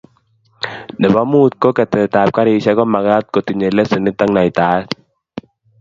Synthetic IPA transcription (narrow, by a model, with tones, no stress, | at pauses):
dɛ˨ba˦mu˦˨t̪̚ko˦ka˨t̪ɛ˨t̪aː˨p̚ka˦ɾi˧˨sa˧˦kɔ˦ma˨ka˦t̪̚ko˨t̪i˨ɲe˨lɛ˦se˨ni˦t̪ːa˦ŋna˨jt̪aː˨˦t